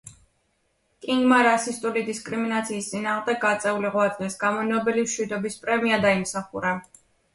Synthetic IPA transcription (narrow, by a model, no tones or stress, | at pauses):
kʼiŋɡmaɾasist̪ʼulid̪iskʼɾiminat̪sʰiːst̪sʼinaːʁmd̪ɛɡ̚ɡat̪sʼɛuliʁwat̪ʼlɛsɡamɔnɔbɛlimʃwid̪ɔbispʼɾɛmiad̪aimsaχuɾa